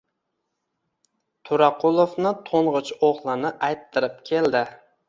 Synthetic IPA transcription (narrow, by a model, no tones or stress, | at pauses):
t̪ʰʊɾaqʰʊlˠofnɪt̪ʰoɴʁɨt͡ʃoχlˠɪnɪʔajt̪ʰːɪɾɪp̚kʲʰe̞ld̪ɪ